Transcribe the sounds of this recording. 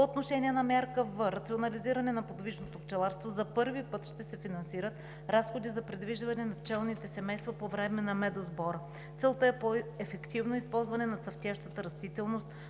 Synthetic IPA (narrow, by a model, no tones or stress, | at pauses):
poot̪noʃɛniɛnɐmʲjaɾkəvɤɾɐt̪sionɐliziɾɐnɛnɐpod̪viʃnot̪okt͡ʃɛlˠaɾst̪vozɐpɤɾvipɤt̪ʃt̪ɛsɛfinɐnsiɾət̪ | ɾasxod̪izɐpɾɛd̪viʒd̪vɐnɛnɐft͡ʃɛlˠnit̪ɛsɛmɛjst̪vɐpovɾɛmɛnɐmɛd̪ozbɔɾə | t̪sɛlˠt̪əɛpoɛfɛkt̪ivnoispɔlˠzvɐnɛnɐt̪sɐft̪ʲjaʃt̪ət̪əɾɐst̪it̪ɛlˠnost̪̚